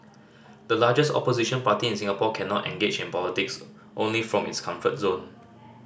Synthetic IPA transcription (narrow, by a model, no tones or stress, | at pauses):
dəlad͡ʒəstɔ̰poziʃə̃npatiɪ̃nsĩŋəpɔkʰɛ̃nɔtɛ̰̃ŋɡed͡ʒɪ̃npɔlitɪks | ʔõnlifɹɔ̃mɪ̰tskʰãɱfət̚zõn